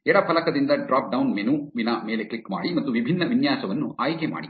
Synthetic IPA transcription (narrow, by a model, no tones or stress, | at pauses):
ɛɽɐpʰɐlɐkɐd̪ind̪ɐɖɾaːp̚ɖɐwnmenuʋinɐme̞ːle̞klikma̰ːɽimɐt̪ːuʋibʱinːɐʋinjaːsɐʋɐnːṵaːjkema̰ːɽi